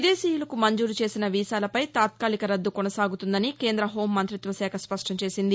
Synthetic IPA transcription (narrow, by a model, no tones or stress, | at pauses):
id̪e̞ːsiːjulɐkumɐɲd͡ʒuːɾut͡ʃe̞ːsinɐʋiːsaːlɐpɐjt̪aːt̪̚kaːlikɐɾɐd̪ːukonɐsaːɡut̪und̪ɐnike̞ːnd̪ɾɐɦo̞ːmːɐnt̪ɾit̪ʋɐsɛːkʰɐspɐʂʈɐmt͡ʃe̞ːsind̪i